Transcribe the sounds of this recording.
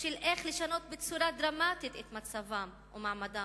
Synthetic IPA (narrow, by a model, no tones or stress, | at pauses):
ʃelʔeχleʃano̞t̪̚bet͡suɾad̪ɾamat̪it̪et̪mat͡savam | umaʕmad̪a